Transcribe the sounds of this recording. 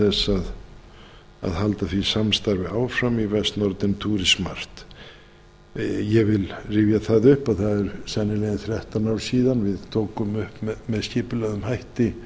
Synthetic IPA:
θɛsað | a̰ðhalt̪aθi̥samst̪aɾvɪaːwfɾamivɛst̪nɔɾt̪ɪnt̪ʰuːɾɪsmar̥t̪ | jɛvɪlriːvjaθaðʏhpaðθaðɛɾsɛnːɪlɛɣɪnθɾɛht̪anaːwlsiːðanvɪðt̪ʰoːwkʏmʏhpmmɛðscɪːpʏlɛɣðʏmhajht̪ɪ

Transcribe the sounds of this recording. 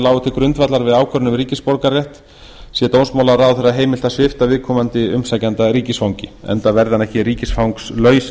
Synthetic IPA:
laːwɣʏt̪ʰɪlkɾʏnt̪vat̪laɾvɪðaːwkʰœɾnʏmɾiːcɪspɔɾkarjɛht̪ | sjɛt̪ownsmawlaɾawθɛrːaɦeːjmɪlt̪asɪft̪avɪðkʰɔːmant̪ɪʏmsajcant̪aɾiːcɪsfawŋɲcɪɛ̰nt̪avɛɾðanɛhcɪɾiːcɪsfawŋkslœːɥs

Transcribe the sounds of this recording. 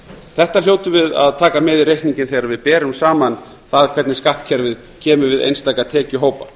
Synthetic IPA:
θɛht̪al̥joːwt̪ʏvɪða̰ðt̪ʰaːkamɛðɪrejhkniɲcɪnθejɣɾaɾvɪðpɛːɾɪsaːman | θaðkʰvɛɾt̪nɪskaht̪cʰɛɾvɪð | cʰɛːmʏvɪðḛjnst̪aːjkat̪ʰɛːcʏɦoːwpa

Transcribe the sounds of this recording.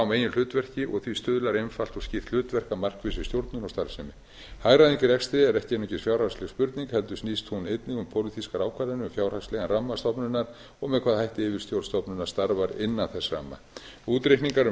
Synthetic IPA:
meːjʏnl̥ʏːt̪vɛr̥cɪʔɔɣθvist̪ʏːðʏlaɾejnfal̥t̪ɔscɪθt̪l̥ʏːt̪vɛr̥kamar̥kvɪsɪ̥st̪jowɾt̪nʏnast̪aɾsɛmɪ | haːjɾaðiŋcɪɾɛkst̪ɪðɛɾɛhcɪɛnːʏcɪsfjawr̥haslɛɣspʏɾt̪niŋkhɛlt̪ʏsniːst̪hunejt̪nɪɣʏmpʰowlit̪ʰiskaɾaːwkʰvaɾɪnʏmfjawɾrhaslɛɣanramːast̪ɔpnʏnaɾ̥ | ɔɣmɛðkʰvaːðhajht̪ɪɪvɪɾ̥t̪jowɾst̪ɔpnʏnḁst̪aɾvaɾɪnːanθɛsra̰mːa̰uːt̪ɾehkniŋkaɾʏ

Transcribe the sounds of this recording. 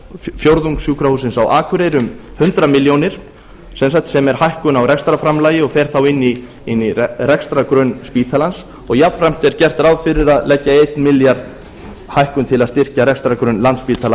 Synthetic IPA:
fjowɾðuŋksjuːkɾahuːsɪnsawʔaːkʰvʏɾejɾʏmhʏnt̪ɾamɪljownɪɾ̥ | sɛnsak̚t̪sɛmɛɾ̥hajhkʏnawrɛkst̪ɾafɾamlaːjɪɔɣfɛːɾ̥θawɪnːi | ɪnːirɛkst̪ɾakɾœnspiːt̪ʰalans | ɔɣjapfɾajm̥t̪ɛɾ̥cɛr̥t̪ɾawfɪɾɪɾaðlɛcːaejt̪nmɪljaɾ̥ | hajhkʏnt̪ʰɪlaðst̪ɪr̥caɾɛkst̪ɾakɾœnlant̪spiːt̪ʰala

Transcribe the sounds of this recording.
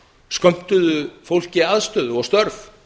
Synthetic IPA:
skœm̥t̪ʏðʏfowl̥cɪaðst̪ʏðɔɣst̪œɾf

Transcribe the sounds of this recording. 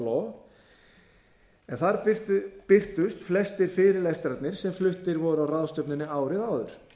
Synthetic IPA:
lɔ | ɛnθaɾpɪr̥t̪ʏst̪flɛst̪ɪɾ̥fɪːɾɪɾlɛst̪ɾat̪nɪɾ̥sɛmflʏht̪ɪɾvɔðɾʏawraðst̪œpnʏnːɪaːwɾɪðaːwðʏɾ̥

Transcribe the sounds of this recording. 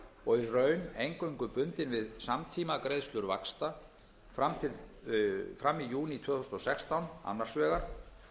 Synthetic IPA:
ɔɣirœːɥnejŋkœɥŋkʏpʏnt̪ɪnvɪðsamt̪ʰiːmakɾejðst̪lʏɾva̰kst̪a | fɾamt̪ʰɪl | fɾamːijuːnit̪ʰvœːθʏsnɔsɛkst̪awna̰nːaɾ̥svɛːɣaɾ̥

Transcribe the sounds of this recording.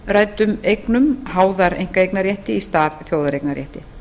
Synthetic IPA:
raːjt̪ʏmejknʏmhaːwðaɾḛjŋ̥kaejknaɾjɛht̪ɪist̪aːðθjoːwðaɾejknaɾjɛ̰ht̪ɪ

